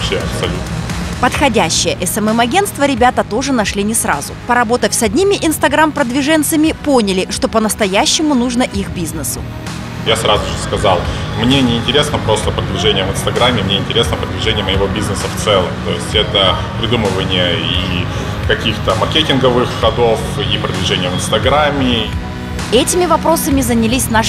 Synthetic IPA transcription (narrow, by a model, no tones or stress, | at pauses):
pɕʲeɐpsɐlʲut̪nəpət̪xɐdʲæɕːɪjəʔɛsɛmɛmɐɡʲe̞nst̪vəɾʲɪbʲat̪ət̪o̞ʐɨnɐʂlʲinʲɪsra̰zʊpəɾɐbo̞t̪əfʲsɐdʲnʲimʲɪʔɪnst̪ɐɡɾampɾəd̪vʲɪʐɛnt̪səmʲɪponʲɪlʲɪʂt̪o̞pənəst̪ɐjæɕːɪmʊnuʐnəʔixbʲiznɨsʊ̰ | jasɾazʊʐɨskɐzɑlˠmnʲe̞nʲɪːnʲtʲɪɾʲesnəpɾo̞st̪əpɾəd̪vʲɪʐɛnʲɪjəvɨnst̪ɐɡɾamʲːɪmnʲeɪnʲtʲɪɾʲesnəpɾəd̪vʲɪʐɛnʲɪjəməjɪvo̞bʲiznəsəft̪sɛlˠə̰mt̪o̞jɪsʲtʲɛt̪ə | pɾʲɪd̪umɨvənʲɪjəi | kɐkʲixt̪əmɐrkʲetʲɪnɡəvɨxxɐd̪o̞f | ipɾəd̪vʲɪʐɛnʲɪjəvɨnst̪ɐɡɾamʲːɪ | ɛtʲɪmʲɪvɐpɾo̞səmʲɪzənʲɪlʲisʲna